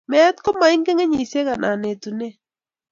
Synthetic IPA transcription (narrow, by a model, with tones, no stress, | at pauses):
mɛ˦t̪kɔ˦ma˨ɪ˦ŋke˦ŋe˦ɲi˨se˦ɣa˨nʔa˨ne˨tu˨ne˦